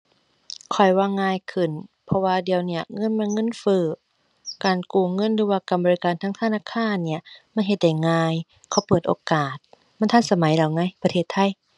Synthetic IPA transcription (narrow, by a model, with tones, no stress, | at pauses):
kʰɔ˨˩jwaː˧˨ŋːaː˧˨jkʰɯ˧˩npʰɔ˧waː˧di˨əwni˧˩ɐŋɤ˧˥˨nmɛ˧˥˨nŋɤ˧˥˨nfɯː˧˩ | kaː˨˩nkuː˧˩ŋɤ˧˥˨nlɯː˧waː˧˩ka˨˩mbɔː˨i˧kaː˨˩nt̪ʰaː˧˥ŋt̪ʰa˧naː˧˥˨kʰaː˧˥˨nːi˧˩ɐma˧˥˨nɦe˧˦t̪̚da˧˩jŋaː˧j | kʰɔ˧˩˦pɤː˨˩t̪̚ʔoː˧kaː˨˩t̪̚ | ma˧˥˨nt̪ʰa˧˥˨nsa˧ma˨˦jla˨˩wŋa˧˥˩jp̪ʰeː˧˥˩t̪ʰːa˧˥˨j